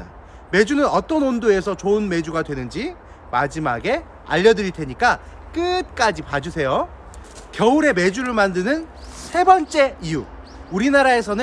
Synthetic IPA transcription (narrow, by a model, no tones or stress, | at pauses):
a | me̞d͡ʑunɯnʌt͈ʌnondoe̞sʰʌt͡ɕoɯnme̞d͡ʑuɡadwe̞nɯnd͡ʑi | mad͡ʑimaɡe̞ | a̰ʎːʌdɯɾitʰe̞ɲik͈a | k͈ɯt̚k͈ad͡ʑipad͡ʑusʰe̞jo | kjʌuɾe̞me̞d͡ʑuɾɯɭmandɯnɯnsʰe̞bʌnt͡ɕ͈e̞iju | uɾinaɾae̞sʰʌnɯ